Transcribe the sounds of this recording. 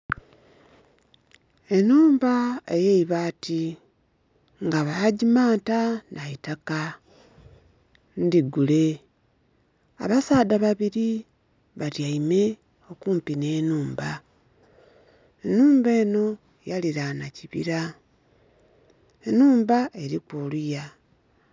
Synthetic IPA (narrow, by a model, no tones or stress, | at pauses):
e̞nuːmbaejeiβaːti | ŋɡaβaɟimaːntanaitaka | ndiɡule̞ | a̰βasaːdaβaβiɾi | βaɾjaime̞ | o̞kuːmpine̞ːnuːmba | enuːmbe̞ːno̞ | jaliɾanaciβḭɾa | enuːmbaʔeɾikwoːluja